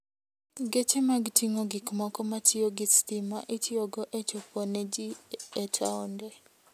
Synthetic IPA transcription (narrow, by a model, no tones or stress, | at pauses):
ɡet͡ʃemaɡtʰiŋoɡikmɔkɔmatɪoɡɪstimaʔitʰɪoɡɔʔet͡ʃɔpɔned͡ʒiɛtʰaɔndɛ